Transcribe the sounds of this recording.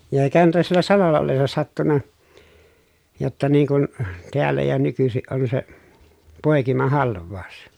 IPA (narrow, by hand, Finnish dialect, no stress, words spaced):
jɑ eikæhæn tuo sielːæ sɑlolːɑ olːesːɑ sɑtːunːɑ jotːɑ niːŋ kun teælːæ jɑ nykysiʔ ʔon se poˑekimɑhɑlʋˑɑˑu̞s